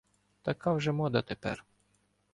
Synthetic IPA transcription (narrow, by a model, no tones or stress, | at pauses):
t̪ɐkawʒɛmɔd̪ɐt̪epɛ̰r